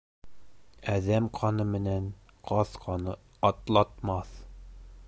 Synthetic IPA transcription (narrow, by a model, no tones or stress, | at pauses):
æðæmqʰɑnɤmɘ̆næn | qʰɒθqɑnɤ | ɒt̪lˠɑt̪mɑθ